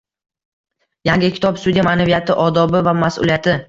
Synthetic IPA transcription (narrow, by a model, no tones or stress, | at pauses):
jaŋɡʲɪkʲʰɪ̥t̪ʰɒpsud̪ijamanavijat̪ʰɪʔɒd̪ɒbɪvamasʊ̰lijat̪ʰɪ